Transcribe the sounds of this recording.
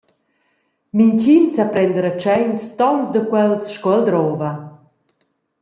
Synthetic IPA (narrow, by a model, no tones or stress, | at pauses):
miɲt͡ɕinsapɾɛnd̪əɾat͡ʃɛjɲst̪ɔnsd̪əkwɛlsʃkɔɛld̪ɾɔva